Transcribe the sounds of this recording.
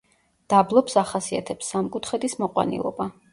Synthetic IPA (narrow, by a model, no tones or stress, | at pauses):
d̪̥ablˠɔpsaχasia̰t̪ʰɛpsːamkʼut̪ʰχɛd̪ismɔqʼwa̰nḭlˠɔ̰ba